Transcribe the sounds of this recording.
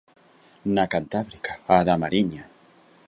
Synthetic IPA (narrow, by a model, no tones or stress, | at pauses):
nakant̪aβɾikḁaðamaɾiɲa